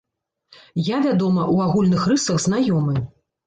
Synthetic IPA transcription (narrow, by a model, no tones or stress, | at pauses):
javʲad̪ɔmɐʔuaɣulʲnɨxrɨsɐɣzn̪ajɔmɨ